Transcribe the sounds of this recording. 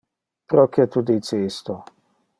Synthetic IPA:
pɾɔkjɛt̪ud̪it̪seːst̪ɔ

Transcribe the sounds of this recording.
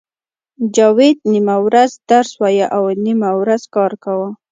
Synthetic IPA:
d͡ʒɑwed̪nimawɾazd̪aɾswɑjaʔawnimawɾazkɑɾkawa

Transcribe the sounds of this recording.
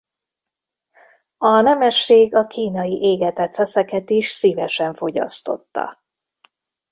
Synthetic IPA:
ɒnɛmɛʃːeːɡɒkiːnɒjiʔeːɡɛt̪ɛt̪sɛsɛkɛt̪iʃsiːvɛʃɛɱfo̞ɟɒ̰st̪o̞̰t̪ːɒ̰

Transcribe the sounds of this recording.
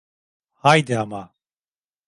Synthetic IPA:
hajd̪ɪama

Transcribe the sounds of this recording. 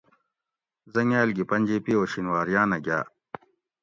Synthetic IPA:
zɐŋjaːlɡipɐnʲd͡ʑeːpioːɕinwaːɾjaːnɐɡʲa̰ː

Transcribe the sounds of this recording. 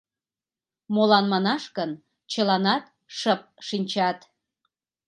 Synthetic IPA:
molɑnmɑnɑʃkən | t͡ɕəlɑnɑt̪ | ʃəp̚ʃinʲt͡ɕɑt̪

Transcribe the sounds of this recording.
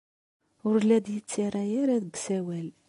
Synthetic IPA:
ʊɾlːæd̪jət͡sːiɾˤæjiɾæðəɡsæwæl

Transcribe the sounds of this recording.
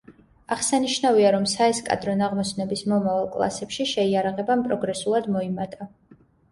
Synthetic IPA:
aʁsaniʃnaviaɾɔmsaɛskʼa̰d̪ɾɔnaʁmɔsnɛbismɔmavalˠkʼlˠa̰sɛpʃiʃɛiaɾaʁɛbampʼɾɔɡɾɛsulˠad̪mɔimat̪ʼa

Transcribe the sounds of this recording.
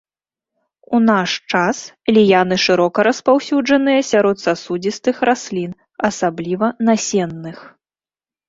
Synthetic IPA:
unaʂt͡ʂas | lʲijanɨʂɨɾɔkɐɾɐspawsʲud͡ʐɐnɨjɐsʲaɾɔt̪sasud͡zʲist̪ɨxɾasʲlʲin | ɐsablʲivɐnasʲɛnːɨx

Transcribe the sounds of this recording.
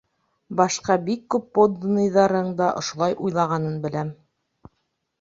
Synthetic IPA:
bɑʃqɑbikːʉpːod̪nɤ̆jðɑɾɤɴd̪ɑʔŏʃŏlˠɑjʔujlˠɑʁɑnɤnbɘ̆læm

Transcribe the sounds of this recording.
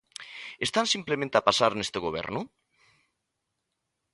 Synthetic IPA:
est̪ansimplemẽnt̪apasaɾnest̪eɣoβ̞ɛ̰ɾnʊ

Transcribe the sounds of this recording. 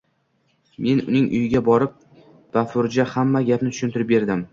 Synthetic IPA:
me̞nʊ̰nɪŋʔʊ̰jɪɡʲabɒɾɪp̚ | b̥afʊɾd͡ʒahamːaɡʲapnɪt̪ʰʊ̥ʃʊnt̪ɪɾɪp̚be̞ɾd̪ɪm

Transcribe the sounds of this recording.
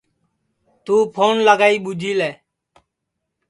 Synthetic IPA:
t̪uːpʰoːnlaɡaːiːɓud͡ʒʱiːlɛː

